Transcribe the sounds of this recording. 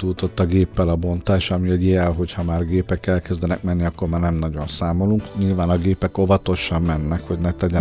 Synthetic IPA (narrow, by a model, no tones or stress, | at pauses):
t̪uːt̪o̞t̪ːɒɡeːpːɛlɒbo̞nt̪aːʃɒmiɛɟijɛlɦo̞chɒmaːrɡeːpɛkɛlkɛzd̪ɛnɛkmɛnːiɒkːo̞rmaːrnɛmnɒɟo̞nsaːmo̞luŋkɲilvaːnɒɡeːpɛko̞vɒt̪o̞ʃɒmːɛnːɛkho̞ɟnɛt̪ɛɟɛ